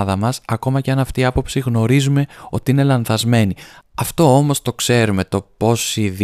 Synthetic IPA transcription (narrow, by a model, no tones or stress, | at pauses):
ðɐmɐsɐko̞mɐceɐnɐft̪iːɐpo̞psiɣno̞ɾizume̞o̞t̪iine̞lɐnθɐzme̞niɐft̪o̞o̞mo̞st̪o̞kse̞ɾume̞t̪o̞po̞sið